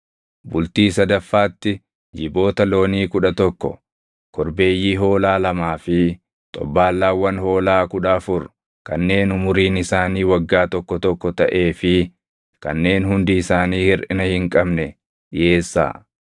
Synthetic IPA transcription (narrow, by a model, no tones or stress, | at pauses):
bʊlt̪iːs̬ɐd̪ɐfːaːt̪ːɪ | d͡ʒɪbo̞ːt̪ɐlo̞ːniːkʊᶑɐt̪ɔkːɔ̰ | kɔɾbe̞ːjːiːɦo̞ːlaːlɐmaːfɪ | t̪ʼɔ̰bːaːlːaːwːɐnho̞ːlaːkʊᶑɐːfʊɾ | kɐ̰nːe̞ːnʊmʊɾiːnɪsaːniːwɐɡːaːt̪ɔkːɔt̪ɔkːɔt̪ɐʔe̞ːfɪ | kɐ̰nːe̞ːnhʊnd̪ɪɪsaːniːhɪɾʔɪnɐhɪŋkʼɐbnɛ | ᶑjeːsːa̰ː